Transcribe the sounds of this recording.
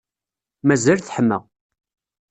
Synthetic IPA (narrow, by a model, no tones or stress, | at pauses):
mæzælθħəmːæ̰